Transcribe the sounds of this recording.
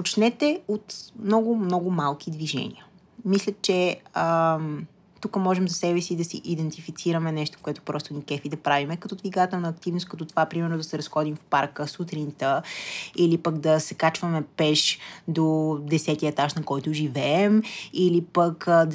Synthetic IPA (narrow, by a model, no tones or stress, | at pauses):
pot͡ʃnɛt̪ɛot̪mnɔɡʊmnɔɡʊmalˠk̟id̪viʒɛ̰nʲḭə | mislʲət͡ʃɛəm | t̪ukəmɔʒɛmzɐsɛbɛsid̪ɐsiʔid̪ɛnt̪ifit̪siɾəmɛnɛʃt̪o̥fkoɛt̪ʊ̥pɾɔst̪onikɛfid̪ɐpɾavimɛkɐt̪ɔd̪viɡat̪ɛlˠnɐːk̚t̪ivnʊst̪̚kɐt̪ɔt̪ovapɾimɛɾnʊd̪ɐsɛɾɐsxɔd̪imfpaɾkəsut̪ɾint̪əilipɐɡd̪ɐsɛkat͡ʃvəmɛpɛʃd̪od̪ɛsɛt̪iəɛt̪aʃnɐkɔjt̪ʊʒivɛːmilipək̪